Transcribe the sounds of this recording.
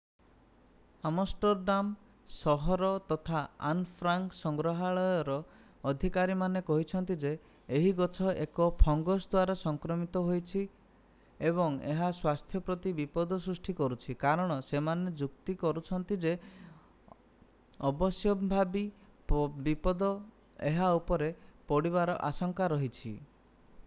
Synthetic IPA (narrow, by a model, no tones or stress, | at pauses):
amɔsʈɔɾɖam | sɔɦɔɾɔt̪ɔt̪ʰaa̰npʰɾaŋksɔŋɡɾɔɦaɭɔjɔɾɔː | d̪ʱikaɾimanekɔɦit͡ʃʰɔnt̪id͡ʒeː | ɦiɡɔt͡ʃʰɔekɔpʰɔŋɡɔsd̪waɾasɔŋkɾɔmit̪ɔɦojt͡ʃʰi | ebɔŋḛɦaswast̪ʰjɔpɾɔt̪ibipɔd̪ɔsɾusʈʰikɔɾut͡ʃʰikaɾɔɽ̃ɔsemaned͡ʒukt̪ikɔɾut͡ʃʰɔnt̪id͡ʒe | ɔbɔsjɔbʱabi | pbipɔd̪ɔ | eɦaupɔɾepɔɽiβaɾɔʔasɔŋkaɾɔɦit͡ʃʰḭ